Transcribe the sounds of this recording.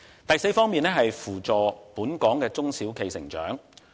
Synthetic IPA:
t̪ɐ˨jse˧jfɔː˥ŋmiː˨nɛː˥ɦɐ˨jfuː˨˩t͡sɔː˨puː˨˥nkɔː˨˥ŋkɛː˧t͡sʊ˥ŋsiː˨˥wkʰe˨˧jsɪ̰˨˩ŋt͡ʃœ̰ː˨˥ŋ

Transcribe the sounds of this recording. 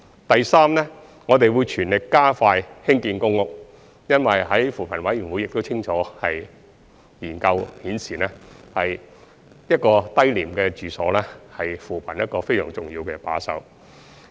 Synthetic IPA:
t̪ɐ˨jsaː˥mlɛː˥ | ŋɔː˨˧t̪e˨jwuː˨˧jt͡ʃʰyː˨˩nlɪ˨kkːaː˥faː˧jhɪ˥ŋkiː˧nkʊ˥ŋŋʊ˨k̚ | jɐ˥nwɐ˨jɦɐ˨˥jfuː˨˩pʰɐ˨˩nwɐ˨˥jyː˨˩nwuː˨˥jɪ˨k̚t̪o˥wt͡sʰɪ˥ŋt͡ʃʰɔː˨˥hɐ˨j | jiː˨˩nkɐ˧whiː˨˥nsiː˨˩nɛ˥hɐ˨j | jɐ˥t̚kɔː˧t̪ɐ˥jliː˨˩mkɛ˧t͡ʃyː˨sɔ̰ː˨˥lɛː˥hɐ˨jfuː˨˩pʰɐ˨˩njɐ˥t̚kɔː˧fe˥jsœ̰ː˨˩ŋt͡sʊ˨ŋjiː˧wkɛː˧pa̰ː˨˥sɐ̰˧˩w

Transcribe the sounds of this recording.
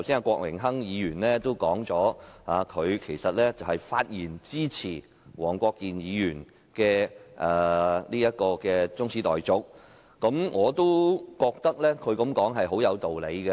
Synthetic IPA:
wsi˥naː˧kʷɔː˧k̚mɪ̰˨˩ŋɦɐ˥ŋjiː˨˧jyː˨˩nlɛː˥t̪o˥wkɔː˨˥ŋt͡sɔː˨˥aː˨kʰɵ˨˧ɥkʰe˨˩jsɐ˨t̚lɛː˥t͡sɐ˨whɐ˨jfaː˧t̚jiː˨˩nt͡siː˥t͡sʰiː˨˩ | wɔː˨˩ŋkʷɔː˧kːiː˨njiː˨˧jyː˨˩n | kɛː˧ʔɛː˨˩liː˥jɐ˥t̚kɔː˧kɛː˧t͡sʊ˥ŋsʰiː˨˥t̪ɔ̰ː˨jt͡sʊ˥k̚ | kɐ˨˥mŋɔː˨˧t̪o˥wkɔː˧k̚t̪ɐ˥k̚lɛː˥kʰɵ˨˧ɥkɐ˨˥mkɔː˨˥ŋɦɐ˨jɦo˨˥wjɐ˨˧wt̪o˨wle˨˧jkɛ˧

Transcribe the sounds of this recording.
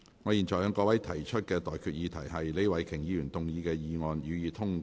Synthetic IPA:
ŋɔː˨˧jiː˨˩nt͡ʃɔː˨˩jœː˨˧ŋkɔː˧wɐ˨˥jt̪ʰɐ˨˩jt͡ʃʰɵ˥t̚kɛː˧t̪ɔː˨jkʰyː˨t̚jiː˨˧t̪ʰɐ˨˩jɦɐ˨jle˨˥jwɐ˨˩jkʰɪ˨˩ŋjiː˨˧jyː˨˩nt̪ʊ˨ŋjiː˨˧kɛː˧jiː˨˧ŋɔː˨˧njyː˨˧jiː˨t̪ʰʊ˥ŋ

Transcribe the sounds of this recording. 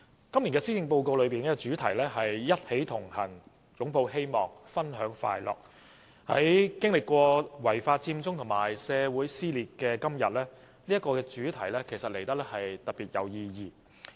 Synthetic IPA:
kɐ˥mli˨˩ŋɛː˧si˥kɪ˧ŋpo˧wko˧wlɵ˨˧pi˨nkɛː˥kɔ˧t͡ʃyː˨˥t̪ʰɐ˨˩jlɛː˥hɐ˨jːɐ˥t̚he˨˥jt̪ʰʊ˨˩ŋhɐ˨˩n | jʊ˨˥ŋpo˧whe˥jmɔː˨ŋfɐ˥nɦœː˨˥ŋfa̰ː˧jlɔ̰ː˨˩k̚ | hɐ̰˨˥jkɪ˥ŋlɪ˨kːʷɔː˧wɐ˨˩jfaː˧t̚t͡siː˧mt͡sʊ˥ŋt̪ʰʊ˨˩ŋmaː˨˩jsɛː˨˧wuː˨˥jsiː˥liː˨t̚kɛː˧kɐ˥mjɐ˨t̚lɛː˥ | niː˥jɐ˥tkɔː˧kɛː˧t͡ʃyː˨˥t̪ʰɐ˨˩jlɛː˥kʰe˨˩jsɐ˨t̚le˨˩jt̪ɐ˥k̚lɛː˥hɐ˨jt̪ɐ˨t̚piː˨t̚jɐ˨˧wjiː˧jiː˧

